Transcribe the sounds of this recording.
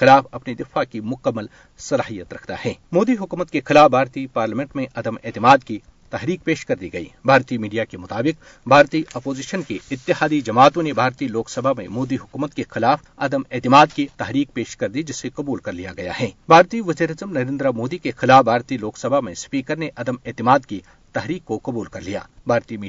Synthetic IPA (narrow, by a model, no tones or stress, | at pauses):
xɪlaːfɐpnid̪ɪfakimʊkəmːəl | sɐlaːɦijət̪ɾɐkʰt̪a̰hɛːmoːd̪iɦʊkuːmət̪kexɪlaːfbʱaːɾt̪ipaːɾləmɛ̃ɳʈmẽʔɐd̪əmɛ̰ːt̪ɪmaːd̪ki | t̪ɐɦɾiːk̚peːʃkɐɾd̪iɡɐḭːbʱaːɾt̪imiːɖijakemʊt̪aːbɪq̚ | bʱaːɾt̪iʔɐpoːziːʃənkeɪt̪ːɪɦaːd̪id͡ʒɐmaːt̪õnebʱaːɾt̪iloːksɐbʱamḛ̃moːd̪iɦʊkuːmət̪kexɪlaːf | ɐd̪əmɛːt̪ɪmaːd̪kit̪ɐɦɾiːk̚peːʃkɐɾd̪id͡ʒɪsːeqɐbuːlkɐɾlijaɡɐja̰ɦɛːbʱaːɾt̪iʋɐziːɾaːzəmnɐɾẽːnd̪ɾamoːd̪ikexɪlaːfbʱaːɾt̪iloːksɐbʱamẽspiːkəɾneʔɐd̪əmɛːt̪ɪmaːd̪ki | t̪ɐɦɾiːkːoqɐbuːlkɐɾlija̰ːbʱaːɾt̪imiː